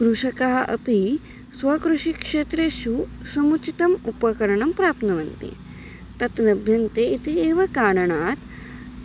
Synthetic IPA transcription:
kɾuʂɐkaːɦʔɐ̰pi | sʋɐkɾuʂikʂeːt̪ɾjeʃusɐmut͡ʃit̪ɐmupɐkɐɾɐɳɐmpɾaːp̪nɐʋɐnt̪ḭ | t̪ɐt̪nɐbʱjɐnt̪eit̪ʰieːʋɐkaːɽɐɳaːt̪

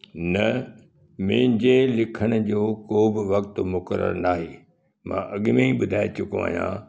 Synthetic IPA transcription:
nɐ | mẽːɪ̃ɲd͡ʑelɪkʰəɽ̃ʊ̆d͡ʑoːkoːbɪʋɐkt̪mʊkəɾə̰ɾnaːɦeː | mã̰ːʔɐɠmẽiɓʊd̪ʱaːet͡ɕʊkõ̰a̰ːɦjã̰ː

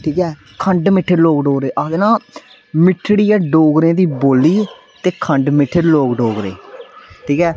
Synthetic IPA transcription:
ʈʰiːkɛː | kʰəɳɖmɪʈʰːeɾloːkɖoːɾeːʔad̪nãː | mɪʈʰːɽiːɛːɖoːɡɾẽːd̪iːboːlːiː | t̪eːkʰəɳɖmɪʈʰːeɾloːɡɖoːɡɾḛːʈʰiːkɛː

